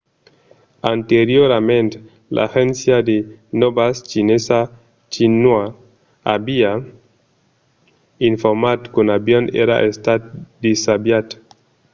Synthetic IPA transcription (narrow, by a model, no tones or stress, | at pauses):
ant̪eɾjoɾamẽnt̪e̥ | lʔa̰xensjad̪enobast͡ʃinesa | t͡ʃinwa | abia | iɱfoɾmat̪konabjonḛɾa̰ʔest̪at̪̚d̪isabjat̪